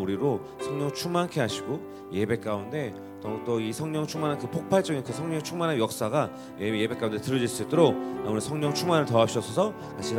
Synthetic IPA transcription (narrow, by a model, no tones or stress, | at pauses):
muɾiɾo | sʰʌŋɲʌŋt͡ɕʰuŋmankʰeɦaɕʰiɡo | je̞be̞k̚k͈aunde̞ | tʌt͈ʌisʰʌŋɲʌŋt͡ɕʰuŋmanankɯpʰok̚pʰaɭt͡ɕ͈ʌŋikɯsʰʌŋɲʌŋt͡ɕʰuŋmanɦanjʌk̚s͈aɡa | jeje̞bek͈aunde̞tɯɾʌd͡ʑiɭs͈uit͈oɾok̚amuɾisʰʌŋɲʌŋt͡ɕʰuŋmanɯɭtʌapɕ͈ʰʌsʰʌsʰʌ | kat͡ɕʰi